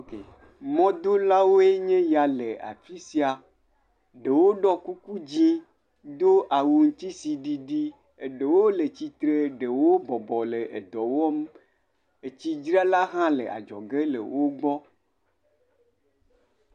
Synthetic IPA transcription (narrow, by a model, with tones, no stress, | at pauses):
ke˨ | mɔ̃˦d̪o˦la˦wo˦e˦ɲẽ˦ja˨le˨a̰˨fi˦si˦a˨ | ɖe˨wo˦ɖɔ˦ku˦ku˦d͡ʑĩ˦ | d̪o˦ʔa˨wu˨ŋ̩˦t̪i˦si˨ɖi˦ɖi˦ | e˨ɖe˨wo˦le˨t͡ɕi˦t̪ɾe˦ɖe˨wo˦bɔ˨bɔ˨le˨ʔe˨d̪ɔ˨wɔ˦m | e˨t͡ɕi˦d͡ʒɾi˦a˦la˦ɦã˦lḛ˨ʔa̰˨d͡ʒɔ̰˨ɡe˦lḛ˨wo˦ɡ͡bɔ˦